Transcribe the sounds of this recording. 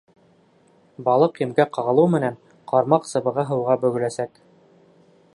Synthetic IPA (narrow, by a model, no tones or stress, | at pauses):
bɑlˠɤqjɘ̆mɡæqɑʁɤ̆lˠɤwmɘ̆næn | qʰɑɾmɑqsɤ̆βɤ̆ʁɤɦɤ̆wʁɑbɵ̆ɡɵ̆læsæk